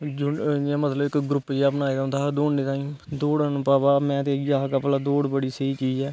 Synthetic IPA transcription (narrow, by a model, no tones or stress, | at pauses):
d͡ʒʊãːmət̪ləbɪkːɡɾʊpːd͡ʒeapnaːed̪and̪aːd̪oːɳːeːt̪ãːĩːd̪oːɽəñːpaːbaːmɛ̃ːt̪eːjaːkaplaːd̪oːɽbəɽiːsəiːt͡ʃiːd͡ʒɛː